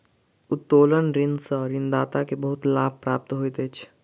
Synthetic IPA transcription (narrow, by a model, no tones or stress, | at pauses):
ʊt̪ːoːlənɾɪ̃nsəɾɪnd̪aːt̪akebəɦʊt̪laːb̚pɾaːp̚t̪ɦoːit̪et͡ʃʰ